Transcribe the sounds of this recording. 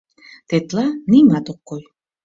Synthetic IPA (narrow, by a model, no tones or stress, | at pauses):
t̪et̪lanimad̪okːoj